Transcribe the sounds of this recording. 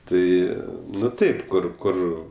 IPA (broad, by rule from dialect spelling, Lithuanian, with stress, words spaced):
ˈtɐɪ ˈnʊ ˈtɐɪp ˈkʊr ˈkʊr